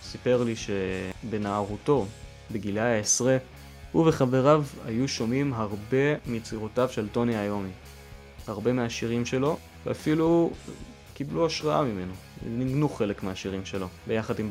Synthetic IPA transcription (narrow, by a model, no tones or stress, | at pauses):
sipe̞ʁliʃe̞be̞naːʁuto̞ | beɡilaaesʁe | huveχave̞ʁava̰juʃo̞mimɦaʁbe̞mit͡siʁotavʃelto̞niajo̞mi | aʁbe̞meaʃiʁimʃe̞lo̞ | veafilu | kibluaʃʁaamime̞noniɡnuχe̞lekmeaʃiʁimʃe̞lo̞bejaχadim